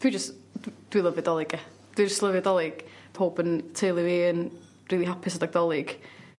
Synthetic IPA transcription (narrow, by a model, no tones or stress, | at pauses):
pʰid͡ʒəsdd̥wilˠəvɪdɔlˠɪɡɛ | d̥wid͡ʒəstlˠəvɨdɔlˠɪɡ̥ | pʰoːbəntʰejlˠɨviən | riːlˠiɦapʰɪsədaɡ̚d̥ɔlˠɪɡ̥